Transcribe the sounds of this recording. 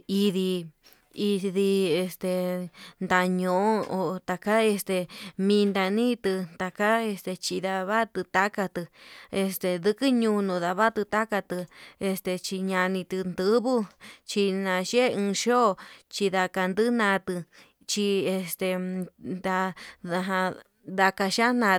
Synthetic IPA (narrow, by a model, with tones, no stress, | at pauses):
i˧ði˧ | i˧ði˧e˧st̪e˨nd̪a˧ɲõ˨ʔo˦o˨t̪a˨ka˦e˧st̪e˧mĩ˧nd̪a˧nĩ˦t̪ɨ˧t̪a˨ka˦e˧st̪e˧t͡ʃi˧ða˧βa˦t̪ɨ˧t̪a˦ka˧t̪ɨ˧e˧st̪e˨ðɨ˧kɨ˦ɲũ˧nũ˨ða˧βa˦t̪ɨ˧t̪a˦ka˧t̪ɨ˧e˧st̪e˧t͡ʃi˧ɲã˧nĩ˧t̪ɨ˧nd̪ɨ˦βu˦t͡ʃi˧nã˧ʃe˦ɨ̃ː˧ʃo˦˧t͡ʃi˧ða˧ka˧nd̪ɨ˦nã˧t̪ɨ˧ | t͡ʃi˧e˧st̪e˧nd̪a˧ða˧ɦã˧ | ða˧ka˧ʃã˦nã˧